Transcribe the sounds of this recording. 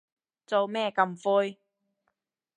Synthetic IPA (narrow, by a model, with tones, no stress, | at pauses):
t͡so˨wmɛː˥˧kɐ˧mfuː˧j